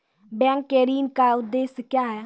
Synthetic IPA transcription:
bɛ̃ːŋkːeːɾiːnkaːʊt̪d̪eːskjaːɦɛː

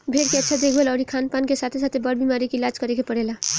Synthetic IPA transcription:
bʱeɽkeətːʃʰad̪ekʰbelɔɾikʰanpankesat̪ʰesat̪ʰebʌɽbimaɾikelad͡ʒkʌɾekepəɽela

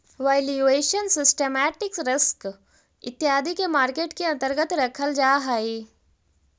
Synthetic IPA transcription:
ʋaːɪlueːʃənsɪsʈeːmɛːʈɪksɾɪsk | ɪt̪ːjaːd̪ʱikemaːɾkeːʈkiɐ̃nt̪əɾɡət̪ɾɐkʰəld͡ʒaːɦaːi

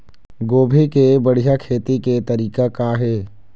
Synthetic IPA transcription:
ɡoːbʱikebəɽ̤ijakʰeːt̪iket̪ɐɾiːkakaɦɛː

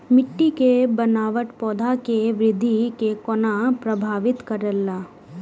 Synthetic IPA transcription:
mɪʈːikebənaːʋəʈpɔːd̪ʱakeʋɾɪd̪ʱːikekɔnapɾəbʱaːʋɪt̪kəɾəlːaː

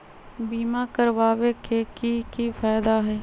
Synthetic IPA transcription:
biːmakəɾʋaːwekekikifaːd̪aɦɛː

